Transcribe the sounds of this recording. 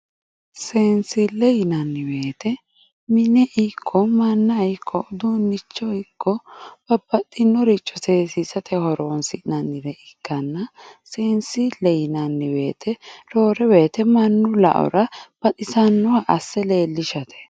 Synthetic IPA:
seːnsɪlːɛjɪnɐnːɪwe̞ːt̪ɛ | mɪnɛʔɪkʰːɔmɐnːɐjkʰːɔd̪onːɪt͡ʃːɔɪkʰːɔb̥ɐb̥ːɐt̪ʼːɪnːɔɾɪt͡ʃʼːɔseːsisɐt̪ʰɛhɔɾoːnsɪnɐnːɪɾɛʔɪkːɐnːɐseːnsɪlɛjɪnɐnːɪwe̞ːt̪ʰɛɾoːɾɛwe̞ːt̪ɛmɐnːʊlɐ̰ʔɔ̰ɾɐb̥ɐt̪ʼɪsɐnːɔwaʔɐsːɛle̞ːlːɪʃɐt̪ʰɛ̥

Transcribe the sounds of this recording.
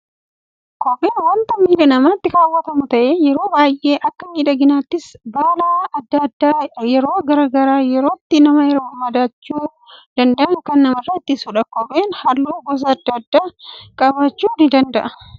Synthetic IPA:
kɔbeːnwɐnt̪ɐmiːᶑɐnɐmaːt̪ːɪkaːwːɐt̪ɐmʊt̪ɐʔeːjɛɾo̞ːbaːjʔe̞ːʔɐkːɐmiːᶑɐɡɪnaːt̪ːɪsbaːlaɐd̪ːɐd̪ːaːjɛɾo̞ːɡɐɾaɡɐɾaːjɛɾoːt̪ːɪnɐmɐjɛɾoːmɐd̪aːt͡ʃːuː | d̪̥ɐnd̪ɐʔɐŋkɐnːɐmɐrːɐɪt̪ːɪsʊᶑɐkɔbeːnhɐlːuːɡɔs̬ɐːd̪ːɐd̪ːaːkʼɐbaːt͡ʃːuːnɪd̪ɐnd̪ɐʔɐ

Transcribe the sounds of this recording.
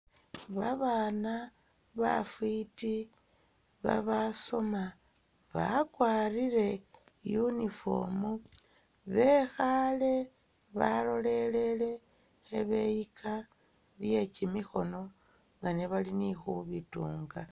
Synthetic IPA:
βaβaːnaβa̰fwiti | βa̰βaso̞maβa̰kwaːriɾe̞junifo̞̰mu | βe̞xale̞βalo̞le̞le̞le̞xeβe̞jikʰaβje̞t͡ʃimixo̞no̞ŋɡaneβalinixuβituːŋɡa

